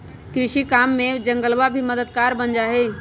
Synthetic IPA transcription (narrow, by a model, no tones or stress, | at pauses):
kɾɪʃikaːmːẽd͡ʒə̃ŋɡəlʋabʱiməd̪əd̪kaːɾbənd͡ʒaːɦeː